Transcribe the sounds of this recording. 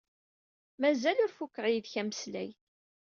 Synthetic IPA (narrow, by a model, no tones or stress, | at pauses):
mæzælʊɾfukːəʁjiðçæməslæ̰j